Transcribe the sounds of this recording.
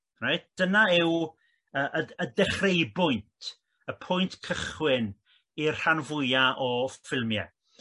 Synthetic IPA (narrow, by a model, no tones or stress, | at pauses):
rajt̚d̥ənaɪw | əːʔəədɛχrejbʊjntʰ | əpʰʊjntkʰəχwɪn | irr̥anvʊjaʔɔfɪlˠmjɛ̰